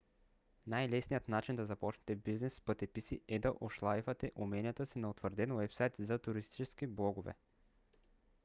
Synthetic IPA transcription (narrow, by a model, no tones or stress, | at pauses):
najlɛsnijət̪nat͡ʃind̪ɐzɐpɔt͡ʃnɛ̥t̪ɛbiznɛsːpət̪ɛpisiɛd̪ɐʔoʃlˠaivɐt̪ɛʔumɛnijət̪əsinɐot̪vəɾd̪ɛnwɛpsajt̪zɐt̪uɾist̪i̥t͡ʃɛskiblˠɔɡʊvɛ̰